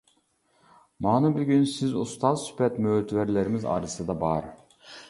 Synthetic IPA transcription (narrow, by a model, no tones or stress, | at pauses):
mɑːnubyɡʲynsɪzust̪ɑzsy̥pʰɛt̪møːt̪ʰvæɾlæɾɪmɪzɑ̰ːɾɯsɨd̪ɑbɑɾ